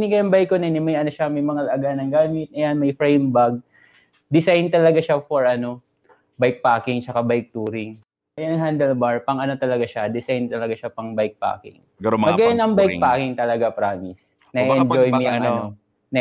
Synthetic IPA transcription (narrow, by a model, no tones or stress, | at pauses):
nɪɡɐjɐŋbajkonɛnɪmɐjʔɐno̞ʃamɐjmɐŋɐlɐʔɐɡanɐŋɡaːmɪt̪̚ʔɐjanmɐjfɾɛjmbaɡ̚ | d̪ɪsajnt̪ɐlɐɡaʃafoɹʔɐno̞ | bajk̚paːkɪŋt͡ʃɐkabɐjk̚t̪uːɾɪŋ | ɐjanɐŋɦand̪ɛlbaɹpɐŋʔɐno̞t̪ɐlɐɡaʃad̪ɪsajnt̪ɐlɐɡaʃapɐŋbajk̚pa̰ːkɪ̰ŋ | ɡɐɐɡɐjanɐŋbajk̚paːkɪŋt̪ɐlɐɡapɾaːmɪs | nɐiɛnd͡ʒojmɪjʔɐŋʔɐno | nɐ